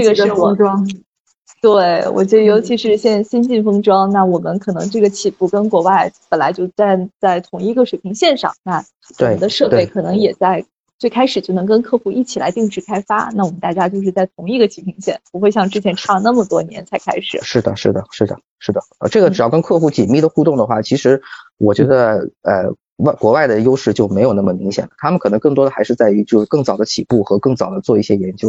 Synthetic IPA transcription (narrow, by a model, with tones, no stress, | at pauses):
ʈ͡ʂɤ˥˩ɡə˩ʂ̩˥˩wɔ˨˥ʈ͡ʂwɑ˥ | t̪we˥˩ɪwʔɔ̰˨˩t͡ɕɥɛ˧˥d̪ə˧jo˧˥ʊt͡ɕʰi˧˥ʂɻ̩˥˩ɕjɛ˥˧nɕi˥nt͡ɕi˥˩nfɤ˥ŋʈ͡ʂwɑ˥ŋna˥˩wɔ˨˩mə˦nkʰɤ˨˩nɤ̰˧˥ŋʈ͡ʂɤ˥˩ɡə˩t͡ɕʰi˨˩fu˥˩kə˥nkwɔ˧˥wa˥˩ɪpə˨˩nla˧˥ɪt͡ɕjo˥˧ʊt͡sa˥˧ɪt͡sa˥˩ɪt̪ʰʊ˨˧˥ŋi˧˥ɡə˧ʂwe˨˩ɪpʰi˧˥ŋɕjɛ˥˧nʂɑ̰˨˩ŋna˥˩ | w̪we˨˥˩ə˦d̪ə˧ʂɤ˥˧pe˥˩ɪkʰɤ˨˩nɤ˧˥ŋjɛ˨˩t͡sa˥˧ɪ | t͡swe˥˩ɪkʰa˥ɪʂɻ̩˨˩t͡ɕjo˥˩ʊnɤ˧˥ŋkə˥nkʰɤ˥˧xu˥˧ʔi˥˩t͡ɕʰi˨˩la̰˧˥ɪt̪i˥˧ŋʈ͡ʂɻ̩˥˩kʰa˥ɪfa̰˥na˥˩wɔ˨˩mə˦nt̪a˥˩t͡ɕja˥t͡ɕjo˥˧ʊʂɻ̩˥˧t͡sa˥˩ɪt̪ʰʊ˧˥ŋi˥˩ɡə˩t͡ɕʰi˧˥pʰi˧˥ŋɕjɛ̰˥˩npu˧˥xwe˥˧ɪɕjɑ˥˧ŋʈ͡ʂɻ̩˥t͡ɕʰjɛ˧˥nʈ͡ʂʰɑ˥˧na˥˩mə˩t̪wɔ˥njɛ˧˥nt͡sʰa˧˥ɪkʰa̰˥ɪʂɻ̩˨˩ʂɻ̩˥˩d̪ə˩ʂɻ̩˥˩d̪ə˩ʂɻ̩˥˩d̪ə˩ | ʂɻ̩˥˩d̪ə˩ə˧ʈ͡ʂɤ˥˩ɡə˩ʈ͡ʂɻ̩˨˩jɑ˥˩ʊkə˥nkʰɤ˥˧xu˥˩t͡ɕi˨˩nmi˥˩d̪ə˩xu˥˧t̪ʊ˥˩ŋd̪ə˩xwa˥˩t͡ɕʰi˧˥ʂɻ̩˧˥wɔ˨˩t͡ɕɥɛ˧˥d̪ə˧ə̰˧ | wa˥˩ɪkwɔ˧˥wa˥˩ɪd̪ə˩jo˥ʊʂɻ̩˥˩t͡ɕjo˥˩ʊme˧˥ɪjna˥˩mə˩mi˧˥ŋɕjɛ˨˩nlə˦t̪ʰa˥mə˨nʰkʰɤ˨˩nɤ˧˥ŋkɤ˥˩ŋt̪wɔ˥d̪ə˩xa˧˥ɪʂɻ̩˥˧t͡sa˥˩ɪy˧˥t͡ɕjo˥˧ʂkɤ˥˩ŋt͡sɑ˨˩ʊd̪ə˦t͡ɕʰi˨˩pu˥˩xɤ˧˥kɤ˥˩ŋt͡sɑ˨˩ʊd̪ə˦t͡swɔ˥˧i˥˩ɕjɛ˥jɛ˧˥nt͡ɕjo˥ʊ